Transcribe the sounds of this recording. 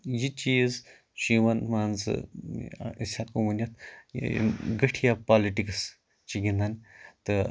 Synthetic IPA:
jit͡ʃiːz | ʃiʋɐnmaːnzɨ̰ | ḭsʲakuʋɐnʲɐt̪ | ɡɐʈʰijapaːliʈiks | t͡ʃiɡʲind̪ant̪ɨ

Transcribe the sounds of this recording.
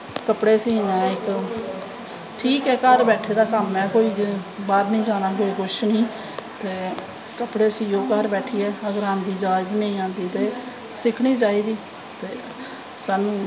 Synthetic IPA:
kəpɽeːsĩːnɛːɪk | ʈʰiːkɛːkəɾbɛːʈʰeːd̪aːkəmːɛ̃ːkoːiːbaːɾnĩːd͡ʒaːnaːɦoːiːkʰʊʃʰnĩː | t̪eː | kəpɽeːəsiːõːkəɾbɛːʈʰiːɛːəɡəɾãːnd̪iːd͡ʒaːd͡ʒnəĩːãːnd̪iːt̪eː | sɪkʰɽ̃iːt͡ʃaːiːd̪iː | t̪eː | saːnũː

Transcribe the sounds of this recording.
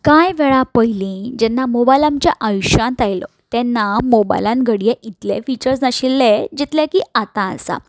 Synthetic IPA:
kajʋɛɭapəɦjlĩd͡ʑɛnːamobajlãmt͡ɕjaʔajuɕãnt̪ajlɔ̰ | t̪ɛnːamoba̰jlãnɡʱəɽijeʔit̪lḛfit͡ɕəɾsnaɕilːed͡ʑit̪ljakiːat̪ãə̰sa̰

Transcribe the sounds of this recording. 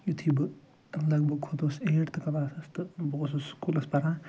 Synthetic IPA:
jut̪ʰibɨ | lɐɡ̚bɐɡ̚kʰot̪oseːʈt̪ɨkɐlaːsɐst̪ɨbɐɣosuskʰulɐspɐɾãː

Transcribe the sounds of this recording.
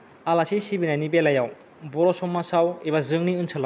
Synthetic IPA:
alasisibinanibelajaw | bɔɾɔsɔmasawebazɯŋniɯnsʰala

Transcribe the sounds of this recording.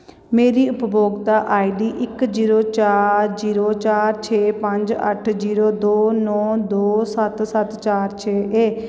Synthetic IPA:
meːɾiːʊpboːɡt̪aːʔaːiːɖiːʔɪkd͡ʒiːɾoːt͡ʃaːɾziːɾoːt͡ʃaːɾt͡ʃʰeːpə̃ɲd͡ʒə̰ʈʰd͡ʒiːɾoːd̪oːnɔ̃ːd̪oːsət̪sət̪t͡ʃaːɾt͡ʃʰeːʔeː

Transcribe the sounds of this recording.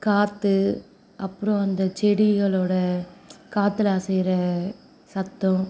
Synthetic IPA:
kaːt̪ːɯ | ɐpːɯɾɔ̃ɐnd̪ɐt͡ʃɛɽɪɣɐɭoːɽɐkaːt̪ːɪlaːsɛjɾɐ | sɐt̪ːɔ̃

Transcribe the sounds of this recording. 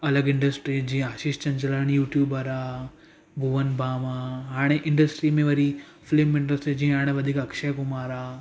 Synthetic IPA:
ɐlɐɡiɳɖɐsʈɾid͡ʒĩaːʃiːʃt͡ʃɐnt͡ʃɐlaɽ̃ijuːʈjuːbɐɾaː | bʱuʋɐnbʱaːmaɦaːɽ̃iʔiɳɖɐsʈɾiːmẽʋɐɾi | flimiɳɖɐsʈɾid͡ʒiːaːɽ̃eʋɐd̪ʱikɐkʂɐjkumaːɾaː

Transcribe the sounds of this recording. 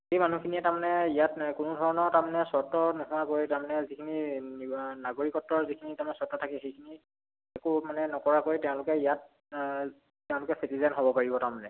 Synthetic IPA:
xejmanukʰiniɛtaɹmanɛijatkʊnʊdʱɔɹɔnɔɹtamanɛsɔtɔnukʰuakoɹitaɹmanɛzikʰinininaɡoɹikɔtːɔɹzikʰinitamanɛsɔɹtɔtʰakɛxejkʰini | ɛkʊmanɛnɔkɔɹakoɹitɛʊ̃lʊkɛijat̚ | tɛʊ̃lʊkɛsitizanɦobɔpaɹibɔtaɹmanɛ

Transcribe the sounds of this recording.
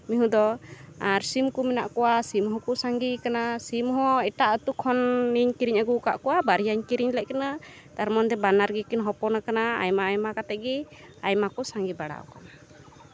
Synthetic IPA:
miɦũd̪ɔaɾsimkumɛna̰ʔkɔwasimɦɔkusaŋɡikanasimɦɔ̃ɛʈaʔət̪ukʰːɔnːiɲkiɾiɲaɡuka̰ʔkɔwabaɾijaɲkiɾiɲlɛʔkana | t̪aɾmɔnd̪ɛbanaɾɡikinɦɔpɔnakanaa̰jmaajmakat̪ɛɡɛ | ajmakɔsaŋɡibaɽa̰ɔ̰kana

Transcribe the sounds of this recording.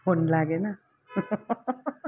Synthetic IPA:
onlaɡena

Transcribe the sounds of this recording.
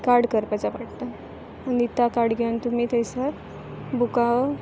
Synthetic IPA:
kaɾɽkəɾpat͡saʋaʈt̪a | manit̪akaɾɽɡʱeunt̪umiːt̪əjsa | buka

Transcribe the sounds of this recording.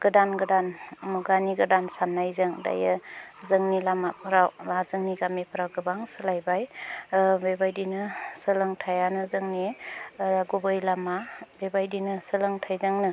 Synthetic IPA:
ɡ̥ɯdanɡɯdanmuɡaniɡɯdansanːajzɯŋda̰jɯzɯŋnilamapʰɯɾawbazɯŋniɡamipʰɯɾawɡɯbaŋsɯlajbaj | bebajdinɯsɯlɯŋtʰajanɯzɯŋni | ɡubɯjlamabebajdinɯsɯlɯŋtʰajzaŋnɯ

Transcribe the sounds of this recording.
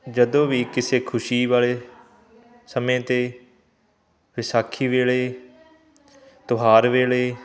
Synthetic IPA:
d͡ʒəd̪õːʋiːkɪseːkʰʊʃiːʋaːɭeː | səmẽːt̪eː | ʋɪsaːkʰːiːʋeːɭeː | t̪ʊɦaːɾʋeːɭeː

